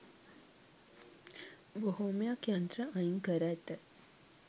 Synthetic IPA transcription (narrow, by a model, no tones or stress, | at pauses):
boɦomejakjant̪ɾəʔaiŋkəɾæt̪ːə